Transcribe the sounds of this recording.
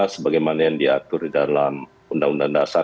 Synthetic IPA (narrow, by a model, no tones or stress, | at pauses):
səbaɡajmanajaŋdiat̪ʊrdidalam | undaŋundaŋŋdasa